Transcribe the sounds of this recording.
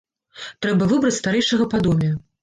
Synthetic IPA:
t̪ɾɛbɐvɨbɾɐt͡sʲst̪aɾɛjʂɐɣɐpad̪ɔmʲɛ

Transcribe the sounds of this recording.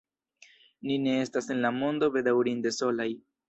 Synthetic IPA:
nine̞e̞stase̞nlamo̞nd̪o̞be̞d̪awɾinde̞so̞laj

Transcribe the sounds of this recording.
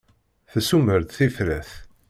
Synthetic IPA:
θəsuməɾt̪θifɾæθ

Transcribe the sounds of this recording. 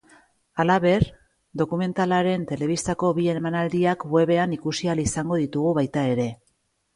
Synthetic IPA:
alaβe̞ɾ | d̪o̞kume̞nt̪alaɾe̞nt̪e̞le̞β̞ist̪ako̞βie̞emanald̪iakwe̞βe̞anikusialisaŋɡo̞ðit̪uɣ̞uβajt̪ae̞ɾe̞

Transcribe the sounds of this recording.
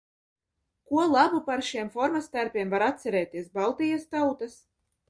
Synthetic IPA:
kuɔlˠabupaɾʃiɛmfɔɾmast̪æɾpʲiɛmvaɾat̪sʲɛɾɛːt̪iɛsbalˠt̪ijast̪awt̪as

